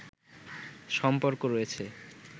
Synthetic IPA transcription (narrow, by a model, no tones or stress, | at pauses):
ʃɔmpoɾkoɾojet͡ɕʰe